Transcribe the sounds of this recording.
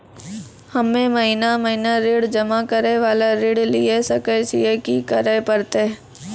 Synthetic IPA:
hɐmːẽmɐɦinamɐɦinaɾɪɽd͡ʒɐmakɐɾeʋaːlaɾɪɽliesɐkəɪsiekikɐɾepɐɾt̪e

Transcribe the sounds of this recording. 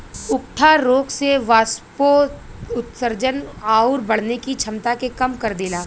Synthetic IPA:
ʊkʈʰaɾoːkseʋaːspoʊt̪səɾd͡ʒənaːʊɾbɐɽ̤nekit͡ʃʰɐmt̪akekɐmkɐɾd̪ɪlaː

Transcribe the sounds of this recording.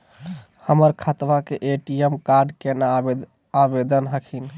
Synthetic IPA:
həməɾkʰat̪ʋakeʔeʈijemkaɾɖkenaː | bed̪ənɦəkʰin

